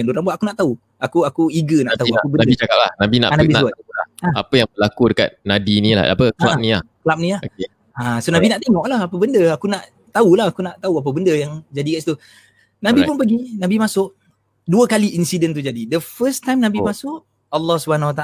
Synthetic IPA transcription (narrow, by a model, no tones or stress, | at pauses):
anduɾaŋbuaʔakunaʔt̪au | akuakuiɡənaʔt̪aaakubənadit͡ʃakap̚la̰hnabina̰ʔanabisnaala̰aapəjaŋbəlakudəka̰t̪̚nabinila̰a̰pəkla̰nila̰hklap̚nĩlaho | asonabinaʔt̪eŋɔʔlahapəbəndəakunaʔ | t̪aulaɦakunaʔt̪auap̬əbəndəjaŋd͡ʒadikasi̥t̪u | nabipʊnpəɡinabimasʊʔ | duəkaliʔinsidənt̪ud͡ʒadidəfəst̪ajmnabimasʊʔ | əlːɔhsubəanawat̪a